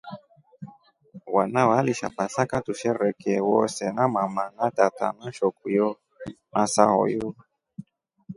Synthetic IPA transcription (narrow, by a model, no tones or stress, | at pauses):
wanawaliʃa̰pasakatuʃɛɾɛkɛwɔsɛnamamanatata̰nan̩ʃɔkujɔ | nasaɦɔ̰jo